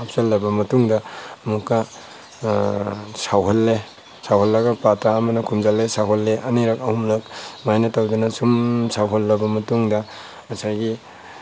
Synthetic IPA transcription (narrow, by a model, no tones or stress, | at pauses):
ap̚salːɐbɐmɐtuŋdɐmukːɐ | sawɦɐlːe | sawɦɐlːɐɡɐpataːmɐnɐkʰumzalːesawɦolːeʔɐniɾɐkɐhumlɐk̚majnɐtawdunɐsumsawɦolːɐbɐmɐtuŋdɐ | mɐsajɡi